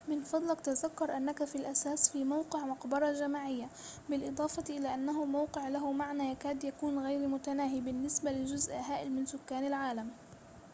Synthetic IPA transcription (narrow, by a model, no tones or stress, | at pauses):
mɪnfɑd̪ˤlɑkt̪azakːʊɾˤʔanːakafilʔasaːsfiːmawqɪʕmɑqbɑɾˤɑʒamaːʕɪjːa | bɪlʔɨd̪ˤɑːfɑʔɪlaːʔanːaɦʊmawqɪʕlaɦʊmaʕnaːjakaːd̪jakuːnɣajɾmʊt̪anaːɦibɪnːɪsbalɪd͡ʒʊzʔɦaːʔɪlmɪnsʊkːaːnalʕaːlam